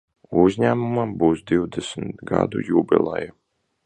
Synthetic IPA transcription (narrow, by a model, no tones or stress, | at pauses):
uzʲɲæːmumambuːsd̪iwd̪ɛsmt̪ɡa̰d̪ṵjuːbʲḭlˠɛ̰ju